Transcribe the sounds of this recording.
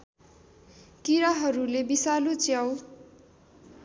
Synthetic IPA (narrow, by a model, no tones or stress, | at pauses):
kiɾaɦʌɾulebisalot͡sjaw